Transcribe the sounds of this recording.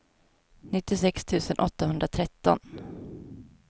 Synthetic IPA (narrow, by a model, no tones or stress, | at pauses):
nɪt̪ːɪsɛkst̪ʰʉ̟ːsənʔɔt̪ːaɦɵnd̪ɾat̪ʰɾɛt̪ːɔ̰n